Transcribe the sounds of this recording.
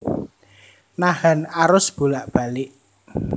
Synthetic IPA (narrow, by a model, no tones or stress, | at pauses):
nahanaɾʊsb̥ulaʔb̥ä̤lɪʔ